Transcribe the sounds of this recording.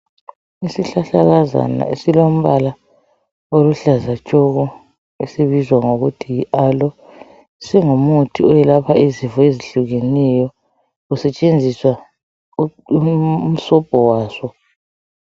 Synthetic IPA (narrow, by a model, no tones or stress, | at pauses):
isiɬaɬaɣaza̰na̰ḛsilom̩βala | oluɬazat͡ʃʼɔɣɔ | esiβizwaŋoɣutʰiiʔalɔ | sɛŋomutʰiɔjɛlapʰaizivɔeziɬuɣenɛjɔ | usɛt͡ʃʼend͡zʱiswa | m̩sɔb̥ʱɔwaːsɔ